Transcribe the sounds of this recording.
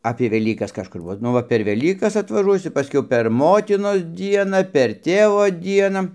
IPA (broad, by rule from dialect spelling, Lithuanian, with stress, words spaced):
ɐpʲeː ʋʲɛˈlʲiːkɐs kɐʃˈkʊr ˈʋɐ ˈnʊ ʋɐ pʲɛr ˈʋʲæːlʲiːkɐs ɐtʋɐˈʒuɔsʲʊ pɐˈsʲkʲɛʊ pʲɛr ˈmoːtʲɪnoːs ˈdʲiɛnɐ pʲɛr ˈtʲeːʋoː ˈdʲiɛnɐ